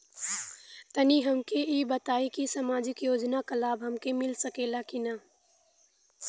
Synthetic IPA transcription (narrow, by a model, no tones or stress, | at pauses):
t̪ɐniɦɐmkeibɐt̪aːikisamaːd͡ʒɪkjoːd͡ʒnakɐlaːbɦɐmkemɪlsɐkeːlakina